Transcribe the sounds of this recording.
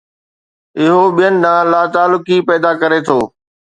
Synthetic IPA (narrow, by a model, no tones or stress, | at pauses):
ɪɦobijənɪ̆d̪ãːlaːt̪aːlʊkipɛːd̪akɐɾet̪ʰoː